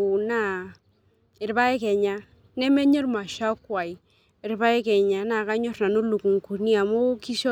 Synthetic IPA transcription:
na˦˨ | ɪ˨ɾba˦e˦ke˨ɲa˦ | ne˦me˦ɲɔ˦ɾma˨ʃa˦kwa˨i˨ | ɪ˨ɾba˦je˦ke˨ɲa˨na˨ka˦ɲo˦ɾna˨nu˦lu˨ku˨ŋku˨ɾni˦a˨mo˦ki˦ʃo˦

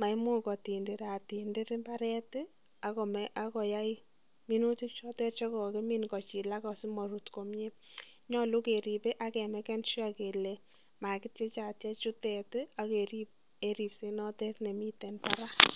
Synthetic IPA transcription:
ma˨imʊ˦kɔ˨ti˨nde˨ɾa˨ti˨nde˦ɾɪ˦mba˦ɾɛ˦tɪ˦ | a˨kɔ˨mɛʔa˦kɔ˨ja˦i | mi˦nu˦ti˦k̚t͡ʃɔ˦tɛ˦t͡ʃɔ˦kɔ˨ke˦mi˦nkɔ˨t͡ʃi˨la˦kɔ˨sɪ˦mɔ˨ɾu˨tko˨mɲe˦ɲɔ˦lu˦ke˨ɾi˨pe˦ʔa˦kɛ˨mɛ˨kɛ˦nʃi˦a˨ke˨lɛ˨ | ma˨kɪ˦tt͡ʃe˦t͡ʃa˨tja˦t͡ʃʊ˦tɛ˨ta˦ke˨ɾi˦p̚ | e˨ɾi˨pse˦nɔ˦tɛ˦tne˨mi˦tɛ˨npa˦ɾa˦

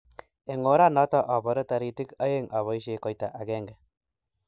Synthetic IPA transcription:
e˨ŋo˨˦ɾa˦nɔ˦tɔ˦ʔa˨bɔ˨ɾa˦ta˨ɾi˨ti˦ka˦je˦ŋa˨βɔ˨i˦ʃe˨kɔ˨jta˨ʔa˨ɡɛ˦ŋɡɛ˨

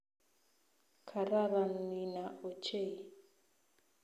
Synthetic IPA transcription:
kʰa˨ɾa˦ɾa˨n̩i˨na˨ʔɔ˨t͡ʃʰe˦˨

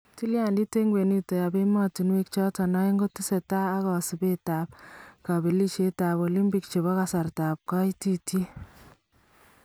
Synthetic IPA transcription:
ti˦lja˨ndi˦te˦ŋɡwe˨ni˦tɛ˨ja˨be˦mɔ˦ti˨nwe˦kt͡ʃɔ˦ta˨na˦ɪ˦ŋɡo˦ti˦sɛ˨taː˦kɔ˨si˨be˦ta˨p̚ka˨be˨li˦ʃe˦ta˨bo˨li˦mpi˨k̚t͡ʃe˨βɔ˦ka˨sa˨rta˨p̚ka˦i˦ti˦ti˦

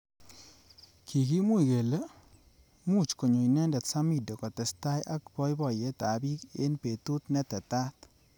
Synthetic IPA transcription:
kʰi˨ki˦mu˦i˨ɡe˨le˦ | mu˦˨t͡ʃko˨ɲo˨i˨nɛ˦ndɛ˨t̪sa˦mi˦˨do˨kɔ˨t̪ɛ˨sta˦jʔa˦kbɔ˦jbɔ˨je˦ta˨bi˦ke˦npe˨t̪u˦t̪nɛ˦t̪ɛ˨t̪a˦t̪

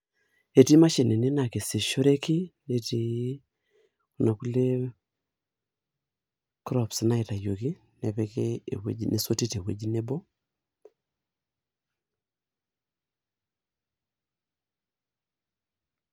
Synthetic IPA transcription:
e˨ti˦ma˦ʃe˨ne˨ne˦na˨ke˨si˨ʃo˦ɾe˦ki˦ne˨ti˨ | u˨na˨ku˦le˦ | kɾɔ˨psna˦i˨ta˨jo˨ki˦ | nɛ˨βɛ˦kḛ˦˨wḛ˦d͡ʒi˦nʔe˨so˦ti˦te˨wḛ˨˦d͡ʒi˦ne˦bɔ˦

